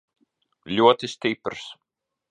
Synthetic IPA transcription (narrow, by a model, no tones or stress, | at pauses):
lʲuɔt̪isʲt̪ipɾs